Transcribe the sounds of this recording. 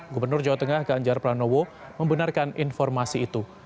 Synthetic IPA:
ɡubərnʊrd͡ʒawat̪əŋahɡaɲd͡ʒarpɾanowo | məmbənarkaninfɔrmasiːt̪u

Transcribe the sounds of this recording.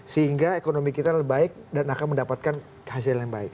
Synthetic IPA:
səɦiŋɡaekonomikit̪albaɪk̚danakanməndapat̪̚kan | has̬ɪljaŋbaɪk̚

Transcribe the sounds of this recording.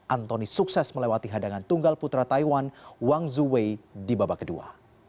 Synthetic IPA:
ʔant̪ɔnisuksɛsməlewat̪iɦadaŋant̪uŋɡalput̪ɾat̪aiwanwaŋzuwejdibabakədṵa̰

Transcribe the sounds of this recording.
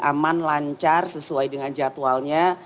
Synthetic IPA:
amanlaɲt͡ʃarsəsuajdəŋand͡ʒat̪ualɲa

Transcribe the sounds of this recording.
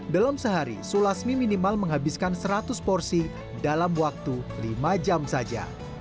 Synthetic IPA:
dalamsəɦaɾḭsulasmiminimalməŋɦabɪskansəɾat̪ʊspɔrsi | dalamwak̚t̪ulimad͡ʒamsad͡ʒa̰

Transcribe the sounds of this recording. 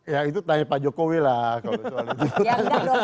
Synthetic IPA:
jait̪ut̪aɲapad͡ʒɔkowilakaloiulit̪ut̪utaɲa

